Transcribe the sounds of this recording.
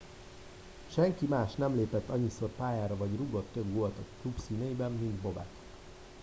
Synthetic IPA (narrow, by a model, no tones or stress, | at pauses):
ʃɛŋkimaːʃnɛmleːpɛt̪ːɒɲːiso̞rpaːjaːɾɒvɒɟruɡo̞t̪ːøɡɡoɒt̪okklubsiːnejibɛmːind̪bo̞bɛ̰t̪